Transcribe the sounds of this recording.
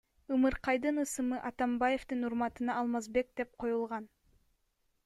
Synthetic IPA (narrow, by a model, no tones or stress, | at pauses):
ɯmɯɾqɑjd̪ɯnɯsɯmɯʔɑt̪ɑmbaje̞ft̪ɯnuɾmɑt̪ɯnɑːlˠmɑzbe̞k̚d̪̥e̞p̚qʰo̞julˠʁɑn